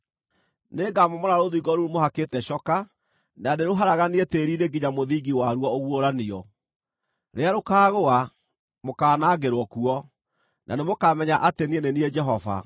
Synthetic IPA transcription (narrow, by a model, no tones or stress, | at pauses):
neːɡamɔmɔɾaɾoðuiːɡɔɾuɾumoɦakeːtɛɕɔka | nadeɾoɦaɾaɣanieteːɾiɾeɡiɲamoðiːɡiwaɾuɔoɣwoɾaniɔ | ɾeaɾokaːɣoa | mokaːnaːɡeɾwɔkuɔ | nʔa̰nemokamɛɲaʔatenienenied͡ʒɛɦɔva̰